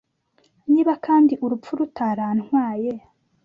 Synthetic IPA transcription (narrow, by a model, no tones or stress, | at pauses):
niːβakaːndiʔuɾupp͡fuɾutaɾaːnŋwaːje